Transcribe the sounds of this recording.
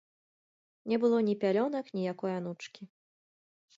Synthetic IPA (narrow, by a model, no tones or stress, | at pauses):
nʲɛbɨlˠɔnʲipʲalʲɔnɐknʲijakɔjɐnut͡ʂkʲi